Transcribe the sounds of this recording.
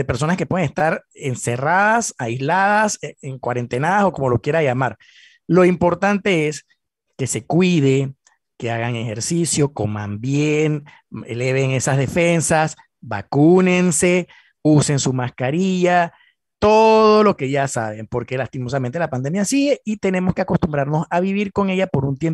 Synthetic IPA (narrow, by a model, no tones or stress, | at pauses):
depe̞ɾs̬o̞naskepwe̞ðeŋest̪aɾense̞raðasaizlaðaseŋkwaɾe̞nt̪enaðaso̞ko̞mo̞lo̞kje̞ɾaʝamaɾ | lo̞impo̞ɾt̪ant̪e̞es | ke̞se̞kwið̞e̞ | ke̞aɣaŋe̞xe̞ɾsisjo̞ko̞ma̰mbjeŋ | ḛle̞β̞e̞ŋe̞sazðe̞fe̞nsas | ba̰kune̞nse̞ | use̞nsumaskaɾiʝa | t̪o̞ðo̞lo̞ke̞ʝasa̰βe̞mpo̞ɾke̞last̪imo̞s̬ame̞nt̪elapand̪e̞mjasie̞it̪e̞ne̞mo̞ske̞ako̞st̪umbɾaɾno̞saβiβiɾko̞ŋe̞ʝapo̞ɾunt̪jem